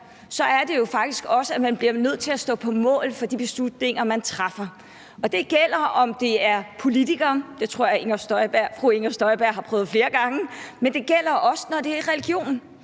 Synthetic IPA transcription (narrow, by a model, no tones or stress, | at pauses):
sɒ̽æɐde̝jo̝fɑ̈ɡ̥̚d̥isɡ̥ɒ̽səæmænb̥liɐnøð̞̰ˠt͡sʰe̝læsd̥ɔ̰̽ːpʰɒ̽mɔ̰̽ːlfɒ̽d̥ib̥e̝slud̥ne̝ŋɐmænt͡sʰʁafɐ | ʔɒ̽d̥e̝ɡ̥el̰ɐʔɒ̽md̥e̝æɐpʰo̝lit͡sʰiɡ̥ɐːd̥et͡sʰʁoɐ̰jɑeŋɐsd̥ɒb̥æɐ̰fʁue̝ŋɐsd̥ɒ̽ɪb̥æɐ̰ɦɑ̈pʰʁœːð̞̩ˠfle̝ːɐɡ̥ɑ̈ŋəmend̥e̝ɡ̥el̰ɐʔɒ̽sə̥nɒde̝æɐiʁɛliɡ̥jo̝̰ːnn̩